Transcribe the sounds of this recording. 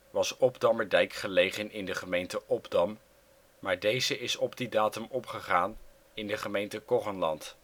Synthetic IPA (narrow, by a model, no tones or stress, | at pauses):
ʋɑsɔbdɑməɹdɛjkχəlejχənɪndəχəmejntəʔɔbdɑm | maːɹdejzəɪsɔbdidaːtəmɔpχəχaːn | ɪndəχəmejntəkɔχənlɑnt